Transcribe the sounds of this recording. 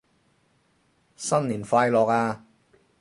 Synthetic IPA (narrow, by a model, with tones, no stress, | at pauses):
sɐ˥nliː˨˩nfaː˧jlɔː˨˩k̚aː˧